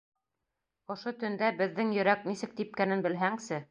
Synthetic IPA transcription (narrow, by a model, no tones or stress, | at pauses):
ŏʃot̪ɵ̆nd̪æbɘ̆ðːɘŋjɵ̆ɾæknisɘk̚t̪ip̚kænɘnbɘ̆lɦæŋsɘ